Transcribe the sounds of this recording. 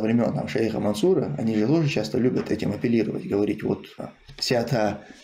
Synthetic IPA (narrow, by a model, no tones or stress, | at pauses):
vɾʲɪmʲo̞nt̪ːa̰mʂɛjxə̰mɐnsuɾəɐ̰nʲiʐɨt̪o̞ʐɨt͡ɕast̪əlʲubʲət̪ʰɛtʲɪmɐpʲɪlʲiɾəvə̰tʲɡəvɐɾʲitʲvo̰t̪ | fsʲat̪a